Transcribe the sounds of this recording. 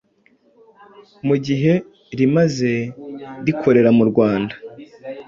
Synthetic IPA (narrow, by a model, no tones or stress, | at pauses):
muɟiɦe̞ | ɾimaze̞ɾikʰo̞ɾe̞ɾamuɾɡwaːnda